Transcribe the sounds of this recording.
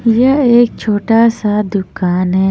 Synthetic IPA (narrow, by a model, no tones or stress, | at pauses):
jəeːk̚t͡ʃʰoːʈasad̪ʊkaːnɦɛː